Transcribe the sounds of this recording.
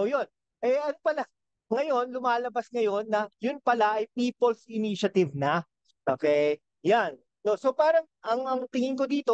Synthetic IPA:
ʔojo̞n | ʔɛɐnpɐla | ŋɐjo̞nlʊmaːlɐbasŋɐjo̞nːɐjʊnpɐlaʔɐjpiːpolsʔɪniʃɐt̪ɪvnɐ | ʔo̰ːkɛj | janːo̞so̞paːɾɐŋʔɐŋɐŋt̪ɪŋɪnko̞d̪iːt̪o̞

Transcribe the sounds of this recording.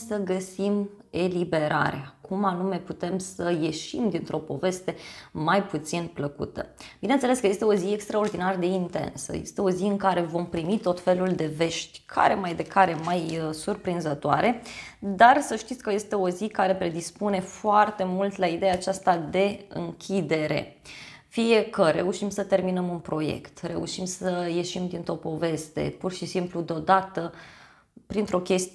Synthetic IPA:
səɡəsime̞libe̞ɾa̰ɾḛakʰumanume̞put̪e̞msəje̞ʃimd̪int̪ɾo̞po̞̰ve̞st̪e̞majput̪sinpləkṵt̪ə̰b̥inent̪seleskəje̞st̪e̞o̞ziekst̪ɾao̞rd̪inard̪e̞int̪ḛnsə̰jḛst̪e̞o̞ziɨŋkaɾe̞vo̞mpɾimit̪o̞t̪fe̞luld̪e̞ve̞ʃt̪ʲkʰa̰ɾe̞majd̪e̞kʰaɾe̞majsurpɾinzət̪oa̰ɾʔed̪arsəʃt̪it̪sʲkəje̞st̪e̞o̞zikaɾe̞pɾe̞d̪ispune̞foart̪e̞mult̪laid̪ejaːt͡ʃast̪ad̪e̞ɨ̰ŋkʲʰid̪e̞ɾe̞̰ | fije̞kəɾe̞uʃimsət̪e̞rminəmunpɾo̞jḛkt̪re̞uʃimsəje̞ʃimd̪int̪ɾo̞po̞ve̞st̪e̞̰purʃisimplud̪eod̪at̪ə | pɾint̪ɾo̞kʲe̞st̪

